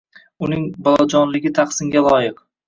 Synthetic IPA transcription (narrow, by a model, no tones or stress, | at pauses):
ʊnɪŋbɒlˠɒd͡ʒɒnlɪɡʲɪt̪ʰaχsɪŋɡʲalˠɒjɪq